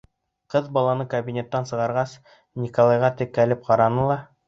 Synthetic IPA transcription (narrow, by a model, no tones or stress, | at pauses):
qɤðbɑlˠɑnɤkɐbʲinʲet̪ːɑnsɤ̆ʁɑɾʁɑs | nʲikolˠɑjʁɑt̪ɘkːælɘp̚qɑɾɑnɤlˠɑ